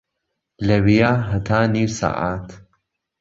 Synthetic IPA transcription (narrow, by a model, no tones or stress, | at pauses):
lɐwijaːɦɐt̪ʰaːniːwsa̰ːʔa̰ːt̪